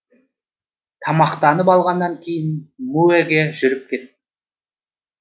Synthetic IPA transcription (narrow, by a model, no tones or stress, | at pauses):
t̪ʰɑmɑqt̪ɑnəpɑlˠʁɑnd̪ːɑŋkʲʰe̞jɪnmuæɡʲeʒʏɾɪp̚kʲʰe̞t̪̚ːɪ